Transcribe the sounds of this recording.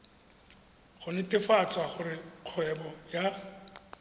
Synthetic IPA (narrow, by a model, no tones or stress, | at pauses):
χʊnɪtʼɪfat͡sʼwaχʊrɪq͡χʰwɛbɔja